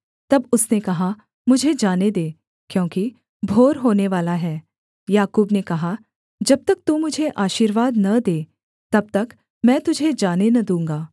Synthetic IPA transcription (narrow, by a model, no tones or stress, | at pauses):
t̪ɐbʊsnekɐɦa | mʊd͡ʒʱed͡ʒaːned̪eː | kjõːki | bʱoːɾɦoːneʋaːlaɦɛː | jaːkuːbnekɐɦa | d͡ʒɐb̚t̪ɐk̚t̪umʊd͡ʒʱeʔaːʃiːɾʋaːd̪nɐd̪eː | t̪ɐb̚t̪ɐk | mɛ̃ːt̪ʊd͡ʒʱed͡ʒaːnenɐd̪ũːŋɡaː